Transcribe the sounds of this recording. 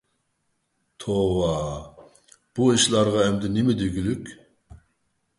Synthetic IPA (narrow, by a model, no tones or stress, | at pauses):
t̪ʰowɑ | b̥uiʃlˠɑɾʁɑɛmd̪ɪnɪmɪd̪eɡʲylykʲ